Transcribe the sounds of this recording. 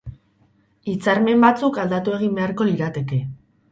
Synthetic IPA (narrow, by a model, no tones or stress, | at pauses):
it͡saɾme̞mbat͡sukald̪at̪ue̞ɣ̞imbe̞aɾko̞liɾat̪e̞ke̞